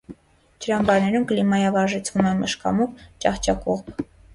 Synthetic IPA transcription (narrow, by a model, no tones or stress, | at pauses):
d͡ʒəɾɑmbɑɾnɛɾumkəlimɑjɑvɑɾʒɛt͡sʰvumɛnməʃkɑ̰muvt͡ʃɑχt͡ʃɑkɔʁb